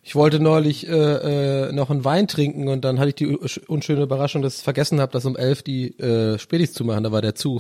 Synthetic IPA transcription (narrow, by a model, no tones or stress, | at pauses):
ʔɪçv̥ɔltənɔʏlɪçʔɛːʔɛːnɔχn̩vaɪntʁ̥ɪŋkŋ̩ʊnt̚d̥anhɦatəɪçd̥iːʔʊnʃøːnəybɐʁ̞aʃʊŋd̥asɪ̥çfɛɐɡɛsn̩haːbəd̥as̬ʊmʔɛlfd̥iːʔɛːʃpɛːtɪçt͡sumaχn̩daːvaːɐdeːɐt͡suː